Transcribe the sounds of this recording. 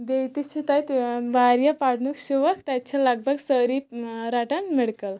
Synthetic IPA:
bejt̪it͡ɕʰit̪ajt̪bʱaɾjapaɽnukɕuʋəkt̪at͡ɕʰaləɡ̚bʱəɡsəɾipɾaʈəŋkmiɽkəl

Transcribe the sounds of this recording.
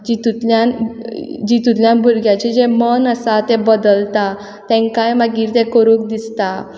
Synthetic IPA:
d͡ʑit̪ut̪ljan | d͡ʑit̪ut̪ljãnbʱuɾɡjat͡ɕid͡ʑemənəsat̪ebəd̪əlt̪a | t̪ɛ̃ŋkajmaɡiːɾt̪ẽkəɾũkd̪ist̪a

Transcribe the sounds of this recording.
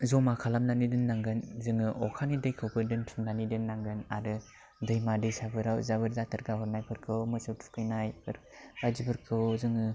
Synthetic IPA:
zɔmakʰalamnanidɯnːaŋɡɯnzɯŋɯʔɔkʰanidɯjkʰɯwbɯdɯntʰɯmnanidɯnːaŋɡɯnaɾɯ | dɯjmadɯjsabɯɾawzabɯɾzatɯɾɡahɯɾnajpʰɯɾkʰɯwmɯsɯwtʰu̥kʰɯjnajpɯɾ | bazibɯɾkʰɯwzɯŋɯ

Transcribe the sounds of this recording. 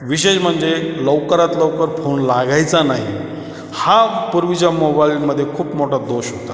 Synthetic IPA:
ʋiɕ̬eɕm̤əɳd͡zelɔʋkəɾat̪ləwkəɾfonlaɡajt͡sanaɦi | hapuɾʋit͡ɕamobailməd̪ʱːjekʰuːpmoʈad̪oɕɦot̪a

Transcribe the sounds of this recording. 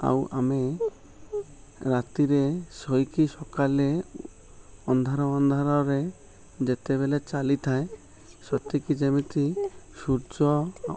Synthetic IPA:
a̰wʔa̰me | ɾat̪iɾesɔjkisɔkale | ɔnd̪ʱaɾɔɔnd̪ʱaɾɔɾe | d͡ʒet̪eβelet͡ʃalit̪ʰaẽ | sɔt̪ikid͡ʒɛmit̪i | suɾd͡ʒɔ

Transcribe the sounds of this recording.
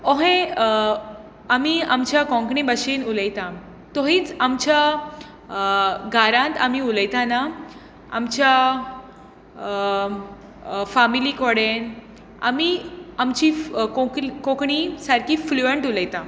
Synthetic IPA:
ɔɦẽ | amiamt͡ɕjakɔ̃ŋkɳĩbəɕinuləjt̪ã | t̪ɔɦĩːt͡samt͡ɕja | ɡʱaɾãnt̪amiuləjt̪ana | a̰mt͡ɕja | familikɔɽen | a̰miamt͡ɕikokõkɳisaɾkifluəɳʈuləjt̪ã

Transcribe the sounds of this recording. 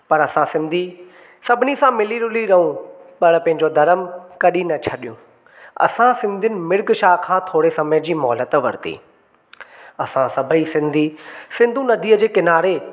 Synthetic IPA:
pɐɾɐsãsɪ̃nd̪ʱi | sɐbʱɪnisãmɪliɾʊliɾɐɦũpɐɽpɐ̃ɦɪ̃ɲd͡ʑod̪ɐɾəmkɐɗinɐt͡ɕʰɐɗijṵ̃ | ɐ̰sãsɪ̃nd̪ʱijnɪ̆mɪɾɡʃaːɦkʰãːt̪ʰoːɽesɐməjəd͡ʑiːmɔːlət̪ʋɐ̰ɾt̪ḭː | ɐsãsɐbʱəisɪ̃nd̪ʱisɪ̃nd̪ʱũnɐd̪ʱiːəd͡ʑeːkɪnaːɾe

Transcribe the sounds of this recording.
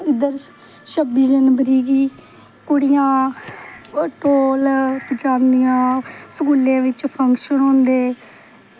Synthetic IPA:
ɪd̪əɾ | ʃəbiːd͡ʒənbəɾiːɡiː | kʊɽɪjãː | ʈoːlpət͡ʃãːnd̪ijãːsəkuːlãːʋɪt͡ʃpʰəŋkʃənõːnd̪eː

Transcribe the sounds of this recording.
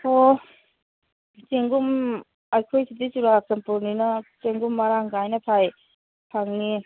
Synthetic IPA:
ɔ | t͡ʃeŋɡum | ajkʰojsidisuɾak̚zampuɾninɐseŋɡumːaɾaŋɡajnɐpʰaj | pʰaŋni

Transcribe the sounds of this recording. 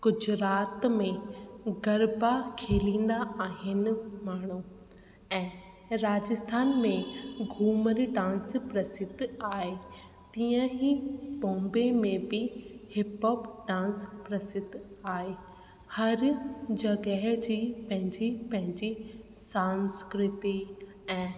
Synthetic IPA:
ɡ̥ʊd͡ʑʱɾaːt̪mẽɡɐɾbakʰeːlĩːn̆d̪aʔaːɦɪnɪ̆maːɳ̤̃u | ɛ̃ː | ɾaːd͡ʑɪst̪ʰaːnmẽɡʱuːməɾɖãːnspɾɐsɪd̪ʱaːɦe | t̪iːə̃ɦibɔ̃ːmbemẽbɪhɪpoːpɖãːnspɾɐsɪd̪ʱaːɦe | hɐɾd͡ʑɐɡəɦd͡ʑiːpɐ̃ɦɪ̃ɲd͡ʑipɐ̃ɦɪ̃ɲd͡ʑisãːnskɾɪt̪i | ɛ̃ː

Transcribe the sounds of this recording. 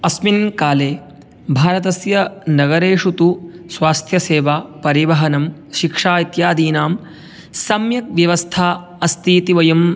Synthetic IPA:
ɐsminkaːleː | bʱaːɾɐt̪̬ɐsjɐnɐɡɐɾeːʂut̪usʋaːst̪ʰjɐseːʋaːpɐɾiʋɐɦɐnɐmʃikʂaːit̪jaːd̪iːnaːm | sɐmjɐk̚ʋjɐʋɐst̪ʰaː | ɐst̪iːt̪iʋɐjɐm

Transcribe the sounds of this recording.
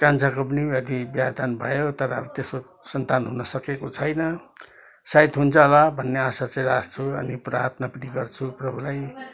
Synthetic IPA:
kãnt͡sʰakop̬ʌniʌd̪ibjad̪anbʱʌjot̪ʌɾʌt̪esko | sʌnt̪anɦunʌsʌkekot͡sʰʌjnʌ | sajt̪ɦunt͡sʰʌlʌbʱʌnːeasat͡sãj̃last͡sʰuʌ̰nipra̰t̪napniɡʌrt͡sʰuprʌbʱulaj

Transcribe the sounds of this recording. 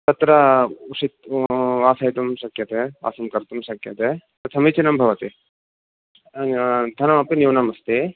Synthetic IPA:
t̪ɐt̪ɾɐuʂit̪̚ʋaːsɐjt̪umʃɐkjɐt̪ea̰ːsɐmkɐɾt̪umʃɐkjɐt̪et̪ɐt̪ʰɐmit͡ʃinɐmbʱɐʋɐt̪i | d̪ʱɐnɐmɐpinjiwnɐmɐst̪i

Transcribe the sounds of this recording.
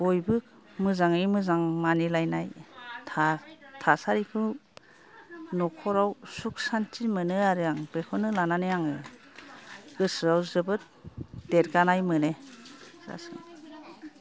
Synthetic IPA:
bojbɯk̚ | mɯzaŋɯjmɯzaŋmanilajnajtʰatʰasaɾikʰɯ | nɔkʰɔɾawsuk̚santimɯnɯaɾɯjaŋbekʰɔnɯlananɯjaŋɯ | ɡ̥ɯsɾawzɯbɯt̚d̥eɾɡanajmɯnesɾa̰sɯ̰ŋ

